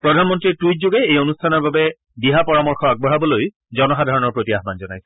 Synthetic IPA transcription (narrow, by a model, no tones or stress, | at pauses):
pɹɔdʱanmɔntɹiɹtujt̚zoɡɛejonustʰanɔɹbabɛ | biɦapɔɹamɔɹxɔaɡ̚bɔɦabɔloj | zɔnɔxadʱaɹɔnɔɹpɹotiaɦbanzɔnajsɛ̥